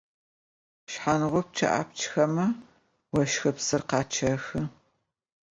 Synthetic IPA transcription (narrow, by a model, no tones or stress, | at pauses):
ʃħanʁʷʊp̚t͡ʃʰɐ̰ʔa̰p̚t͡ʃʰxɐmɐ | wɔʃxɐpsɨrqɑːt͡ʃʰɐxɨ